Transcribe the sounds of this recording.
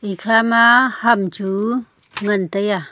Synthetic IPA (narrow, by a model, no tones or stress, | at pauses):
ikʰamahamt͡ʃu | ŋɐnt̪əja